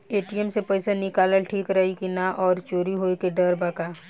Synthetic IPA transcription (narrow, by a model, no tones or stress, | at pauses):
eːʈiəmsepɛɪsanɪkaːləlʈʰiːkɾɐɦikinãʔɔːɾt͡ʃoːɾiɦoːekeɖɐɾbɐkaː